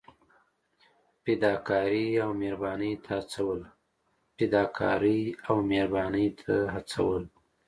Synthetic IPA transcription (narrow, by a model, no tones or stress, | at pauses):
ped̪ɑkʰɑɾiawmeɾbɑnəjt̪ʰaat͡sawəl | ped̪ɑkʰɑ̰ɾiawmeɾbɑnəjt̪ʰaɦat͡sa̰wəl